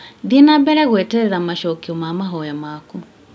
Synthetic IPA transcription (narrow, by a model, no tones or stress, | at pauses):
ðinabɛɾɛɣwɛtɛðamaʃɔkiɔmamaɦɔjamaku